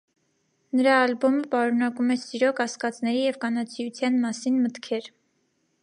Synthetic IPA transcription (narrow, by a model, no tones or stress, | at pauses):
nəɾɑːlbɔməpɑɾunɑkumɛsiɾɔkɑskɑt͡snɛɾijɛvkɑnɑt͡sʰijut͡sʰjɑnmɑsinmət̪kʰɛɾ